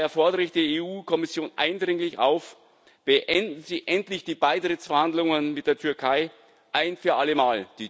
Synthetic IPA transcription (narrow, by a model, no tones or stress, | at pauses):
ɛɐfɔɐdəʁɪçd̥eːeːuːkʰɔmɪsjoːnʔa̰ɪndʁɪŋlɪça̰ʊf | b̥əʔɛndn̩ziʔɛntlɪçd̥iːbaɪtʁ̥ɪtt͡sfɛɐhandlʊŋənmɪt̚d̥eːɐtʰʏɐkʰaɪ | ʔaɪnfyːɐʔaləmaːld̥iː